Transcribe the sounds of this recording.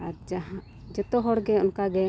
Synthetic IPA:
aɾd͡ʒaɦã | d͡ʒɛt̪ɔɦɔɽɡɛɔnkaɡɛ

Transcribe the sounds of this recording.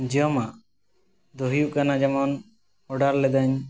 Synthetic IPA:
d͡ʒəmaʔ | d̪ɔɦijuʔkanad͡ʒamɔn | ɔɖaɾlɛd̪aɲ

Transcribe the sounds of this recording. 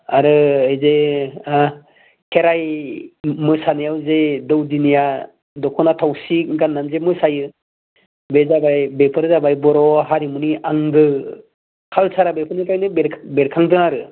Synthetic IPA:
aɾɯɯjze | kʰeɾaj | mɯsanɯjawzedɯwdinija | dɔkʰɔnatʰawsik̚ɡanːamzemɯsajɯ | bezabajbepʰɯɾzabajbɔɾɔɦaɾimuniʔaŋɡɯ | kʰalsʰaɾabepʰɯnikajnɯbeɾbeɾkʰaŋdɯnaɾɯ

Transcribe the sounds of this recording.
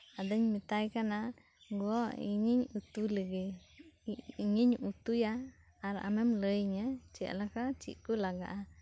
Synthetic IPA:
ad̪əɲmit̪ajkana | ɡoḭɲiɲut̪uliɡe | ɲiɲʔut̪ujaː | ɾaʔa̰memləjɲət͡ʃeʔa̰lakat͡ʃḭʔkulaɡa̰ʔa

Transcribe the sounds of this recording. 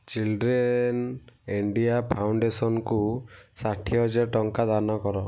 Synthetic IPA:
t͡ʃilɖɾeniɳɖiapʰawɳɖesɔnkusaʈʰijɔd͡ʒeʈɔŋkad̪anɔkɔɾɔ

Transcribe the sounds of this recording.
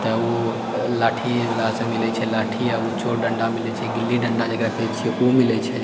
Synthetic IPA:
t̪ɔu | laʈʰilasemilɛt͡ʃʰɛlaʈʰiaut͡ʃoɖəɳɖamilɛt͡ʃʰɛɡilːiɖəɳɖad͡ʒekɾakʰet͡ʃʰɛumilɛt͡ʃʰɛ

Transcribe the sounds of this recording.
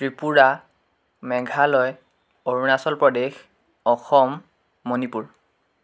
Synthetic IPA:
tɹipuɹa | mɛɡʱalɔj | oɹunasɔlpɹɔdex | ɔxɔmː | onipuɹ

